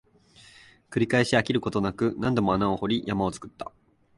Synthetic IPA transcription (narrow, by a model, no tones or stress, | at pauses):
kɯ̟ɾʲikaeɕeakʲiɾɯ̟ko̞t̪o̞nakɯ̟nãnd̪o̞mo̞anao̞ho̞ɾʲijamao̞t͡sɨ̥kɯ̟̥t̪ːa̰